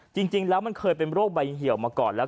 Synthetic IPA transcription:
t͡ɕi˧ŋt͡ɕi˧ŋlɛː˦˥wma˧nkʰɤː˧jp̬e˧nɾoː˥˩k̚ba˧jɦi˨˩˦əwmaː˧kɔː˨˩nlɛː˦˥

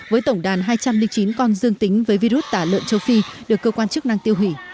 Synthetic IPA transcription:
vəː˨˦jt̪ə˧˩wŋ͡mɗaː˨˩nɦaː˧jt͡ɕa˧mlï˧ŋ̟t͡ɕi˨˦nkɔ˧nzɨ˧əŋt̪ï˨˦ŋ̟vəː˨˦jvi˧ɾu˦˥t̚t̪aː˧˩lə̰˧˨nt͡ɕə˧wfi˧ɗɨ˨˩əkːəː˧kwaː˧nt͡ɕɨ˦˥k̚na˧ŋt̪i˧əwɦwi˧˩

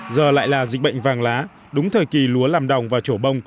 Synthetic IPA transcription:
zəː˨˩la̰ː˧˨jlaː˨˩zï˨˩k̚ɓə̰˧˨jŋ̟vaː˨˩ŋlaː˨˦ | ɗʊ˨˦ŋ͡mt̪ʰəː˨˩jki˨˩lu˨˦əlaː˨˩mɗa˨˩wŋ͡mvaː˨˩t͡ɕo˧˩ɓə˧wŋ͡m

